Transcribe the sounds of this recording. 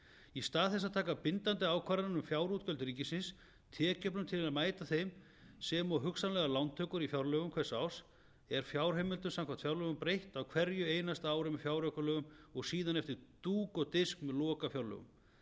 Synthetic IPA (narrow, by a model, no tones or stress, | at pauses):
ist̪aːðθɛs̬aðt̪ʰaːkapɪnt̪ant̪ɪaːwkʰvaːɾaɾnʏmfjaːwɾut̪̚cœlt̪ɾiːcɪsɪns | t̪ʰɛːcœpnʏmt̪ʰɪlaðmaːjt̪aθejm | sɛmɔɦʏksanlɛɣalawnt̪ʰœːkʏɾifjawɾlœɣʏmkʰɛ̥saws | ɛɾ̥fjawɾ̥ɦejmɪlt̪ʏnsamkʰvat̪fjawɾlœɣʏmpɾejht̪awkʰv̥ɛɾjʏeːjnast̪aaːwɾɪmɛfjaːwɾœkʏlœːɣʏmɔɣsiːðanɛft̪ɪɾt̪uːkɔt̪ɪskmɛðlɔːkafjawɾlœ̰ɣʏ̰m